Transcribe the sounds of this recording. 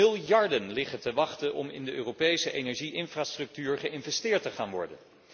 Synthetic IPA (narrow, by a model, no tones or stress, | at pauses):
ɪlˠjɑɹdənlɪχətəʋɑχtəʔɔ̰mɪ̰ndəʔøːrowpejsəʔejnɛɹʒiʔɪnfraːstrɵk̚tyːɹχəɪnvɛstɪːɹtəχaːnʋɔ̰ɹdə̰n